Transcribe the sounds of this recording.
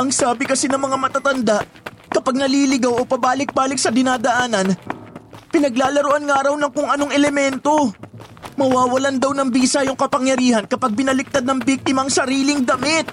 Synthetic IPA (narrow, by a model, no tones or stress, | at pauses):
ʔɐŋsaːbɪkɐsɛnɐŋmɐŋamɐt̪at̪ɐnd̪aʔ | kɐpaɡ̚nɐliːlɪɡawo̞pɐbaːlɪk̚baːlɪk̚sɐd̪ɪnaːd̪ɐʔaːnɐn | pɪnɐɡ̚laːlɐɾoʔanŋɐaːɾɐwnɐŋkʊŋɐnoŋʔɛlɛmɛnt̪o̞ | mɐwaːwɐland̪ɐwnɐŋbiːsɐjʊŋkɐpɐŋjɐɾiːhɐnkɐpaɡ̚bɪnɐlɪk̚t̪ad̪̚nɐŋbik̚t̪ɪmɐŋsɐɾiːlɪŋd̪ɐmɪt̪̚